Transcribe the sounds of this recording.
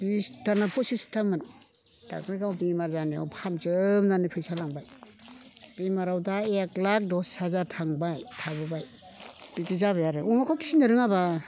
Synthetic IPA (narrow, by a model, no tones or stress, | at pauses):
bistanapʰɔsistʰaman | d̥a̰kɾikawbimaɾzania̰wpʰanzɯmnanipʰɯjsalaŋbaj | b̥imaɾawdaeklak̚dɔssazatʰaŋbajtʰabɯbaj | b̥itizaβajaɾɯɔmakʰɔpʰi̥sinɯɾɯŋaba